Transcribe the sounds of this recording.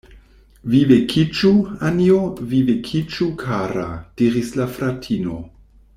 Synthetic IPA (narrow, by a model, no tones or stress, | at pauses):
vivekʰit͡ʃuaniovivekʰit͡ʃukʰaɾa̰d̥iɾislafɾatʰino̞̰